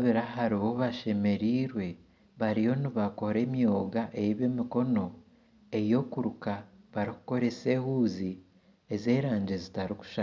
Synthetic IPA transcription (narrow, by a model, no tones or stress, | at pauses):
βiɾahaɾiβo̞βaʃe̞me̞ɾiːɾwe̞ | βaɾijo̞niβako̞ɾe̞ːmijo̞ːɡaʔejiβe̞ːmiko̞no̞ | e̞jo̞kuɾukaβaɾiku̥ko̞ɾe̞se̞ːhuːzi | eze̞ːɾaːɲɟe̞zitaɾiku̥ʃa